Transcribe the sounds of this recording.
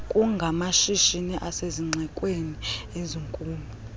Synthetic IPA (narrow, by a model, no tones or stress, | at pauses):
kʼuŋɡʱamaʃiʃiniʔaseziŋ͡ǀʱɛkʼwenieziŋkʼuːmbʱ | u